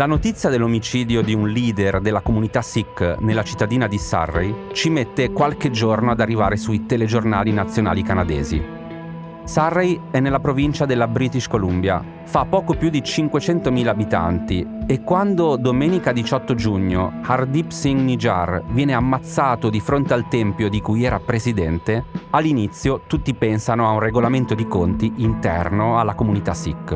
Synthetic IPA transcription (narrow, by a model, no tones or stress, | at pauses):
lanot̪it̪sːjad̪elːomit͡ʃiːd̪jod̪iunliːd̪erd̪elːakomunit̪asikːnelːat͡ʃi̥t̪ːad̪iːnad̪isa̰rːḛjt͡ʃimet̪ːekwalked͡ʒornoad̪arːiva̰ːɾesuit̪eled͡ʒornaːlinat̪sːjona̰ːlikanad̪ḛːzḭ | sarːejɛnːelːapɾovint͡ʃad̪elːabɾiːt̪iʃkolumbja̰ | fapːɔːkopjud̪it͡ʃiŋkwet͡ʃɛnt̪omiːlaːbit̪a̰nt̪iekːwand̪od̪omɛːnikad̪it͡ʃɔt̪ːod͡ʒuɲːohard̪ipsiŋɡnid͡ʒa̰rvjɛːneamːat̪sːaːt̪od̪ifɾont̪ealt̪ɛmpjod̪ikujɛːɾapɾesid̪ɛnt̪ealːinit̪sːjot̪ut̪ːipɛnsanoaunreɡolament̪od̪ikont̪iʔint̪ɛ̰rnoalːakomunit̪asḭkː